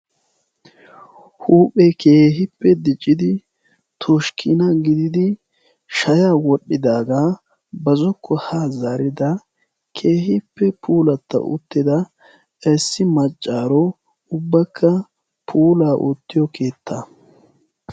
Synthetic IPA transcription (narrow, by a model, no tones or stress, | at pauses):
huːpʼɛkʰe̞ːɦɪpːɛd̪ɪt͡ʃʼːɪd̪ɪ | t̪ʰɔʃkʰɪnɐɡɪd̪ɪd̪ɪ | ʃɐjaːwɔɗːɪd̪aːɡa | bɐzɔkʰːɔhazaːɾɪd̪ɐ | kʰe̞ːhɪpːɛpʰuːlɐt̪ːɐ̰ʔʊ̰t̪ːɪd̪ɐ | ɛsːɪmɐt͡ʃʼːaːɾɔ | ʊbːɐkʰːɐ | pʰuːlaːʔut̪ːɪjɔkʰe̞ːt̪ʰːɐ